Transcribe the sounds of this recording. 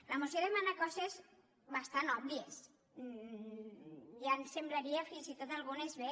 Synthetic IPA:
lamosjoðemanakɔsez | βast̪anɔβlies | jansemblaɾiafinsit̪ot̪alɣunezβe

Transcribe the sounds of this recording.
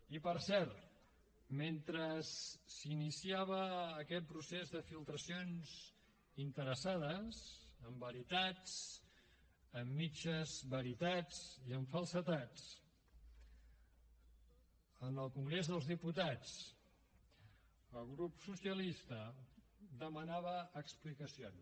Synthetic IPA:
ipəɾsɛɾt̪ | ment̪ɾəsːinisiaβ̞əːkɛt̪̚pɾusezðəfilˠt̪ɾəsionz̥ | int̪əɾəsað̞əsəmbəɾit̪at͡s | əmːit͡ʃəzβəɾit̪ad͡ziəɱfəlˠsət̪at͡s | ənəlˠkuŋɡɾezðəlˠzðiput̪at͡s | əlˠɣɾupsusiəlist̪ə | d̪əmənaβəʔːksplikəsions

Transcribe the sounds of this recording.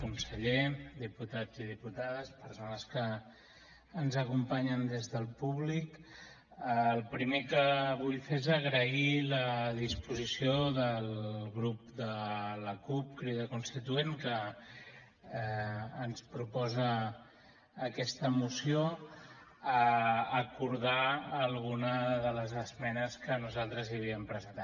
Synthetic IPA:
kunsəʎed̪iput̪ad͡zið̞iput̪aðəspəɾsonəskəː | nzəkumpaɲənd̪ezðəlˠpuβlik | əlˠpɾimekəβuʎfezəɣɾəiləðispuzisioðəlɣɾup̚d̪ələkup̚kɾiðəkunst̪it̪uenkə | nspɾupɔzəː | kɛst̪əmusio | əːkuɾðaːlˠɣunəðələzəzmɛnəskənuzalˠt̪ɾəziəβ̞iəmpɾəzənt̪a

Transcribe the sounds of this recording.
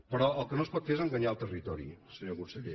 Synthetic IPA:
pəɾɔəlˠkənospɔt̪feezəŋɡəɲalˠt̪ərit̪ɔɾḭsəɲoɣuɾsəʎe

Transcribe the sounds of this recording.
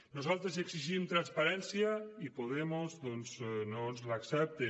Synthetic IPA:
nuzalˠt̪ɾezeɡsiʒimt̪ɾanspaɾɛnsiaipoðemozðɔnznonzlaksɛp̚t̪e

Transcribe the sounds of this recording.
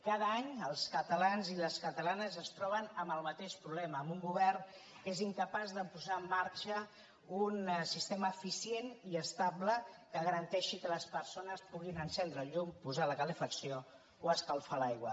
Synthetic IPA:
kaðəaɲəlˠskət̪əlanziləskət̪əlanəzəst̪ɾɔβ̞ənəməlˠmət̪eʃpɾuβlɛməːmbuŋɡuβɛrn | keziŋkəpazðəpuzaəmːaɾt͡ʃə | unsist̪eməːfisieniəst̪abləkəɣəɾənt̪ɛʃikələspərsonəspuɣinənsɛnd̪ɾəʎumpuzaləkələfəksio | oəskəlˠfalajɣwə̰

